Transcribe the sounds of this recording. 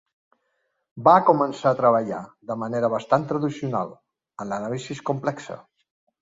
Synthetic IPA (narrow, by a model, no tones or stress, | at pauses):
bakumənsaːt̪ɾəβəʎa̰ðəməneɾəβ̞əst̪ant̪ɾəðisiuna̰lˠ | ənlənalisiskumplɛksə̰